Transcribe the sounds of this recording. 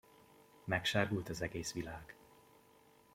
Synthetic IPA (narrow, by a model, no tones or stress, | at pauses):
mɛkʃaːrɡult̪ɒzɛɡeːsʋilaːɡ̥